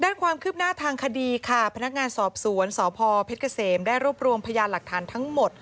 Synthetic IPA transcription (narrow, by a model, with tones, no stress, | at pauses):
daː˥˩nkʰwaː˧mkʰɯː˥˩p̚naː˥˩t̪ʰaː˧ŋkʰa˧diː˧kʰa˥˩pʰna˦˥k̚ŋaː˧nsɔː˨˩p̚su˩˦ənsɔː˨˩˦pʰɔː˧pʰe˦˥t̪̚kʰa˧seː˩mdaː˥˩jɾu˥˩əp̚ɾu˧əmpʰa˧jaː˧nla˨˩k̚t̪ʰaː˩˦nt̪ʰa˦˥ŋmo˨˩t̪̚